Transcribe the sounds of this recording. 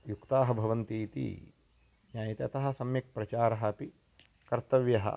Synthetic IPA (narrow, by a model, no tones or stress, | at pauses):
jukt̪aːɦɐbʱɐʋɐnt̪it̪ḭ | njaːjɐt̪eɐt̪ɐɦɐ̆sɐmjɐk̚pɾɐt͡ʃaːɾɐɦɐpi | kɐɾt̪ɐʋjɐɦɐ̰